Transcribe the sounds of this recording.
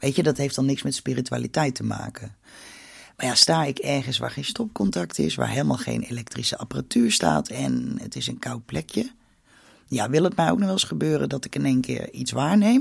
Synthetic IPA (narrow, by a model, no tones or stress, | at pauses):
ʋejtədɔtɦejftdɔnɪksmɛtspiritya̰ːlitɛjtəma̰ːkə | majastaːɪkɛɹχənsʋa̰ːɹχejnstɔp̚kɔntaktɪ̰sʋa̰ːɹɦeːlˠmaːlˠχḛjnḛlɛk̚trisəapəratyːɹsta̰ːtʰɛnə̰tɪsənkawt̚plɛkjə | jaʋɪlˠətmɛjo̰wknɔɛləsχəbøːrədɔtɪkɪnejnkɪ̰ːɹitsʋaːɹnejm